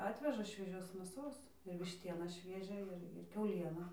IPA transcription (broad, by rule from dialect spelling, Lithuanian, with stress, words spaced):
ˈɑːtʲʋʲɛʒɐ ʃʲʋʲiɛˈʒʲoːs mʲeːˈsoːs ɪr ʋʲɪʃʲˈtʲiɛnɑː ˈʃʲʋʲiɛʒʲæː ɪr ˈkʲɛʊlʲiɛnɐ